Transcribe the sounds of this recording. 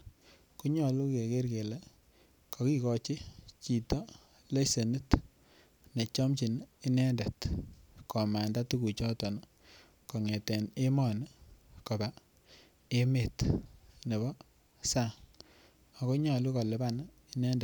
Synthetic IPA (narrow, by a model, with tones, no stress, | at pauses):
ku˦ɲɔ˨lu˦ke˨ke˦ɾke˨le˦ | kɔ˨ki˦kɔ˨t͡ʃi˦t͡ʃi˨tɔ˦ | le˦se˨nu˦t | ne˨t͡ʃɔ˦mt͡ʃi˨ni˦nɛ˦nda˨tkɔ˨ma˨nda˦tu˦ku˨t͡ʃɔ˦tɔ˨n | kɔ˨ŋe˨tɛ˨ne˦mɔ˨n˦kɔ˨ba˨ | e˦me˨tne˨bɔ˦ | sa˦˨ | a˨ko˦ɲɔ˨lu˦kɔ˨lɪ˨ba˦n | i˦nɛ˦nda˨